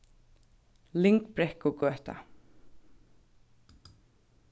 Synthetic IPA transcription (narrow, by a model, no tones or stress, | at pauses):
lɪŋkbɾɛhkʊɡœːht̪a̰